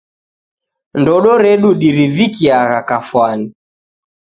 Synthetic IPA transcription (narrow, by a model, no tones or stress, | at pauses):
ndɔɗɔɾɛɗuɗiɾivikiaɣakafwani